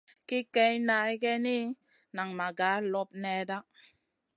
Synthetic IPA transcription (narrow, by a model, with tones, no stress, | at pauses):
ki˦kɛ˦jna˦i˦ɡɛ˦ni˦ | na˨ŋma˨ɡa˨˦lɔ˦p̚nɛ˦da˦